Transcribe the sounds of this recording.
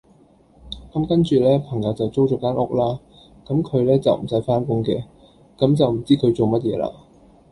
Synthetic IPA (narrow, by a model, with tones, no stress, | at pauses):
kɐ˨˦˥mkɐ˥nt͡ʃyː˨lɛː˥pʰɐ˨˩ŋjɐ˨˧wt͡sɐ˨wt͡so˥wt͡ʃɔː˨˥kaː˥nʔʊ˥k̚laː˥ | kɐ˨˥mkʰɵ˨˧ɥlɛː˥t͡sɐ˨wm̩˨˩sɐ˨˥jfaː˥nkʊ˥ŋkɛ̰ː˧ | kɐ˨˥mt͡sɐ˨wm̩˨˩t͡siː˥kʰɵ˨˧ɥt͡so˨wmɐ˥t̚jɛː˨˧la̰ː˧